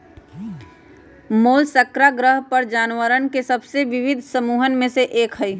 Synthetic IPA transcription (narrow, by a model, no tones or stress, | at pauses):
moːlsəkɾaɡɾəɦpəɾd͡ʒaːnʋəɾənkesɐbseʋɪʋɪd̪ʱsəmuːɦənmẽseʔeːkɦəiː